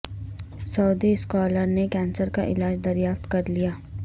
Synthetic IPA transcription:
sɐːd̪iskɔːləɾnekɛ̃ːnsəɾka̰ʔɪ̰laːd͡ʒd̪ɐɾjaːft̪kɐɾlijaː

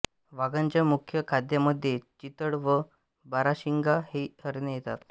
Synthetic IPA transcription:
ʋaɡaɲt͡ɕjamukʰjəkʰad̪jaməd̪ʱːjet͡ɕit̪əɽʋə | baɾaɕiŋɡahehəɾnəjet̪a̰t̪

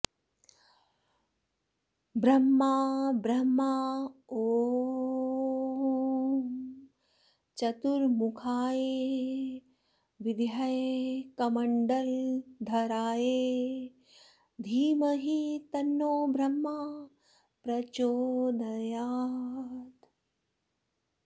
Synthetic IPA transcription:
bɾɐmːabɾɐmːaoː | t͡ʃɐt̪uɾmukʰaːje | ʋɪd̪jɐjkɐmɐɳɖɐld̪ʱɐɾaːje | d̪ʱiːmɐɦit̪ɐnːoːbʱɾɐmːa | pɾɐt͡ʃoːd̪ʱɐjaː | t̪

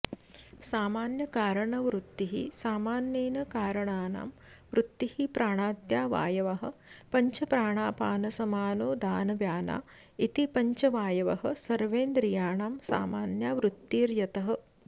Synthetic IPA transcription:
saːmaːnjɐkaːɾɐɳɐʋɾut̪ːiɦḭsaːmaːnjeːnɐkaːɾɐɳaːna̰ːm | ʋɾut̪ːihipɾaːɳaːd̪jaːʋa̰ːjɐʋɐɦɐ̆pɐɲt͡ʃɐpɾaːɳaːpaːnɐsɐmaːnoːd̪aːnɐʋjaːna̰ː | it̪ipɐɲt͡ʃɐʋaːjɐʋɐɦɐ̆sɐɾʋeːnd̪ɾijaːɳaːmsa̰ːmaːnjaːʋɾut̪ːiːɾjɐt̪ɐɦɐ̆

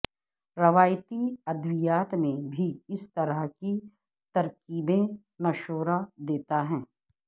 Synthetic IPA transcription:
ɾɐʋaːjt̪iɐd̪wijaːt̪mẽbʱiɪst̪ɐɾəɦki | t̪ɐɾkiːbẽ | mɐʃoːɾad̪eːt̪aɦɛ̃ː

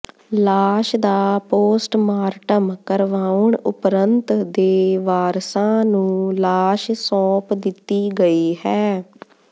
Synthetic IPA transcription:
laːʃd̪aːpoːsʈmaːɾʈəmkəɾʋaːʊɳʊpɾənt̪d̪eːʋaːɾsãːnũːlaːʃsɔ̃ːpd̪ɪt̪ːiːɡəiːɦɛː

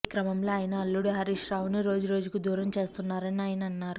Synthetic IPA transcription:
kɾɐmɐmlo̞ːaːjɐnɐɐlːuɽuɦɐɾiʂɾaːwunuɾo̞ːd͡ʒuɾo̞ːd͡ʒukud̪uːɾɐmt͡ʃe̞ːst̪unːaːɾɐniaːjɐnɐnːaːɾu

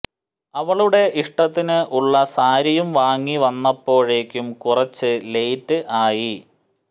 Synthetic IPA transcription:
ɐʋɐɭuɽe̞ʔiʂʈɐt̪ːinɨʔuɭːɐsaːɾɐjumʋaːŋːiʋɐnːɐpːo̞ːɻe̞ːkʲːumkurɐt͡ɕːɨle̞jtːɨʔaːji

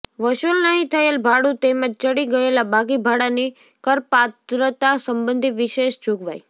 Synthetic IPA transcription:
ʋəʃulnəɦĩt̪ʰəelbʱaɽut̪emə̃d͡ʒt͡ʃəɽiɡəelabaɡibʱaɽani | kəɾpat̪ɾət̪asəmbənd̪ʱiʋɪʃeʃd͡ʒuɡʋa̰j

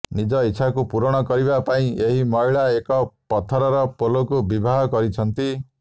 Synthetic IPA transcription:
nid͡ʒɔitːʃʰakupuɾɔɽ̃ɔkɔɾibapaĩeɦimɔjɭaekɔpɔt̪ʰɔɾɔɾɔpolokubibʱaɦɔkɔɾit͡ʃʰɔnt̪i

